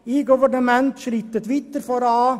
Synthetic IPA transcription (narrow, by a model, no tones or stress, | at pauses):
iɡʊʋəɳəmɛnt̪ʃɾɪt̪ːət̪ʋɪt̪ːəɾfɔɾɑɑː